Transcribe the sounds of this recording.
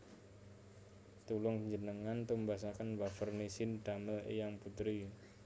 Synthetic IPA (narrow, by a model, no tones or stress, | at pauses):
t̪ulʊŋɲd͡ʒənəŋant̪umbas̬akənwafərnesɪnd̪aməlḛjaŋput̪ɾi